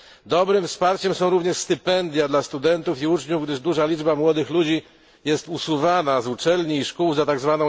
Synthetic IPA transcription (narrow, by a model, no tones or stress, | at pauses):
d̪ɔbɾɘmfspaɾt͡ɕɛmsɔ̃w̃ɾuvɲɛʂst̪ɘpɛnd̪ʲjad̪last̪ud̪ɛnt̪ufiut͡ʂɲuvɡd̪ɘʐd̪uʐalʲid͡ʐbamwɔd̪ɘxlud͡ʑi | jɛst̪usuvanazut͡ʂɛlɲiːʂkuwzat̪aɡzvanɔ̃w̃